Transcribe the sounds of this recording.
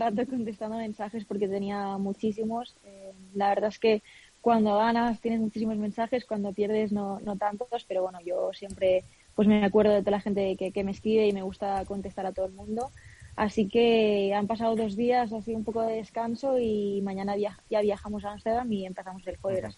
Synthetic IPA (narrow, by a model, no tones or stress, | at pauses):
rat̪oko̞nt̪e̞st̪and̪omẽ̞nsaxe̞spo̞ɾke̞t̪e̞niamut͡ʃis̬imo̞selaβe̞ɾðaeske̞ | kwand̪o̞ɣanast̪je̞ne̞zmut͡ʃis̬imo̞zmẽ̞nsaxe̞skwand̪o̞pje̞ɾð̞e̞znono̞t̪ant̪o̞spe̞ɾo̞βwe̞noʝo̞sje̞mpɾe̞ | pwe̞zmeakwe̞ɾð̞o̞ðet̪o̞alaxe̞nt̪e̞keke̞me̞skɾiβe̞ime̞ɣust̪ako̞nt̪e̞st̪aɾat̪oðelmũnd̪o̞asike̞ampasaoðo̞zðias̬asiumpo̞ko̞ðeðe̞skanso̞imãɲãnaβjaʝaβ̞jaxamo̞s̬aanst̪eðamie̞mpeθamo̞zelxoeɾas